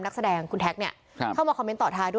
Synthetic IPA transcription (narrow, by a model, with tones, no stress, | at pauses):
mna˦˥k̚sa˧dɛː˧ŋkʰu˧nt̪ʰɛ˦˥k̚ni˥˩ɐ˧ | a˥˩wmaː˧kʰɔ˧me˦˥nt̪ɔː˨˩t̪ʰaː˧du˥˩